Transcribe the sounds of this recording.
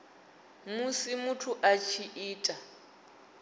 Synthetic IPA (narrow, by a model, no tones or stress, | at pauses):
musimutʰuʔat͡ʃʰiʔiːtʼa